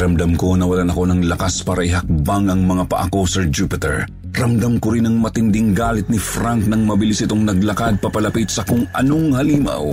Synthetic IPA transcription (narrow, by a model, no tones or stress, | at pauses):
ɾɐmd̪amko̞nɐwɐlanɐko̞nɐŋlɐkaspaːɾɐʔɪɦɐk̚baŋɐŋmɐŋapɐ̰ʔɐ̰ko̞sɛɹd͡ʒupɪt̪ɛ̰ɹ | ɾɐmd̪amkoɾɪnɐŋmɐt̪ɪnd̪ɪŋɡaːlɪt̪̚nɪfɾaŋk̚nɐŋmɐbɪlisʔɪt̪oŋnɐɡ̚lɐkad̪̚pɐpɐlɐpit̪sɐkʊŋʔɐ̰no̞ŋhɐliːma̰w